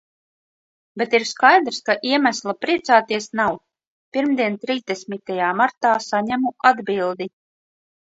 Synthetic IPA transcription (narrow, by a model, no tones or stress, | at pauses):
bʲet̪iɾskajd̪ɾskaʔiɛmæslˠapɾiɛt̪saːt̪iɛsnaw | piɾmd̪iɛnt̪ɾiːzd̪ɛsʲmʲit̪ajaːmaɾt̪aːsaɲæmuʔad̪bilˠd̪i